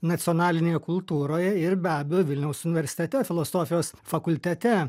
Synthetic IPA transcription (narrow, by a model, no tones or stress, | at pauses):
nɐt̪sʲɪɔːnɑːlʲɪnʲeːjɛkʊlˠt̪uːɾoːjɛɪɾbʲæːbʲɛjoːʋʲɪlʲnʲɛʊsʊnʲɪʋʲɛɾʲsʲɪ̥t̪ʲɛt̪ʲɛfʲɪlˠoːsoːfʲɪjoːsfɐkʊlʲt̪ʲɛt̪ʲɛ